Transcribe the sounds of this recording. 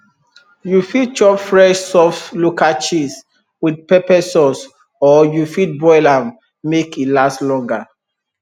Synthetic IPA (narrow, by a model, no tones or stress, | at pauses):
jufid̚t͡ʃɔpfɹɛʃsɔflukat͡ʃis | wid̚pɛpɛsɔs | ɔjufit̚bɔɪlam | mekilaslɔ̃ŋɡa